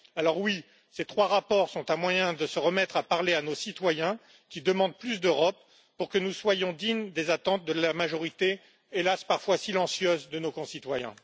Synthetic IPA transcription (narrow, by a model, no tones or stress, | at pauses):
alɔʁwi | set̪χwaʁapɔʁsɔ̃t̪ãmwajɛ̃d̪əsəʁəmɛt̪χapaʁleanosit̪wajɛ̃ | kʲid̪əmɑ̃d̪̚plys̬d̪øʁɔp | puʁkənuswajɔ̃d̪iɲd̪ezat̪ɑ̃t̪̚d̪əlamaʒɔʁit̪e | elaspaʁfwasilɑ̃sjøzd̪ənokɔ̃sit̪wajɛ̰̃